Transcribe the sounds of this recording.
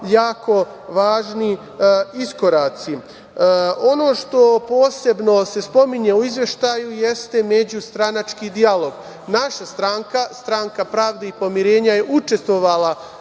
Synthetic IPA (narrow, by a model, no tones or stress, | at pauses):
jaːko̞ | ʋaːʒni | isko̞ɾaːt̪si | o̞no̞ːʃt̪o̞po̞ːse̞bno̞se̞spo̞miɲe̞uizʋje̞ʃt̪aːjuje̞st̪e̞me̞d͡ʑust̪ɾanat͡ʃkiːd̪ialo̞ɡ | naʃast̪ɾaːŋkast̪ɾaŋkapɾaːʋd̪eipo̞miɾe̞ːɲaje̞ʔut͡ʃe̞st̪ʋo̞ʋala